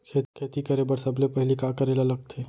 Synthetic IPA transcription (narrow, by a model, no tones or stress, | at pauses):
kʰekʰeːt̪ikɐɾebəɾsəblepɐɦɪlikakəɾelɐləɡ̚t̪ʰeː